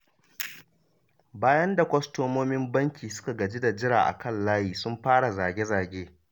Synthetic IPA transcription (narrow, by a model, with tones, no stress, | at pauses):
baː˦jɐ˦nda˨kʷɐ˦stoː˦moː˦mɪ˦mbɐ˦ŋkʲiː˨sʊ̥˦ka˨ɡɐ˨d͡ʒi˦da˨d͡ʒɪ˦ɾa̰ː˨ʔa̰˨kɐ˦˨nlaː˦jiː˨sʊ˦mɸaː˦ɽa˨zaː˨ɡʲe˦zaː˨ɡʲeː˦